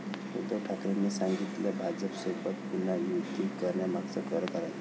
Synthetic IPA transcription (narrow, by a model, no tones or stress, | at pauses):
hṵd̪oʈʰakɾenːesãŋɡit̪ljabʱad͡zəpsepət̪punajud̪ikəɾɳjamaɡsəkəɾək̪aɾaj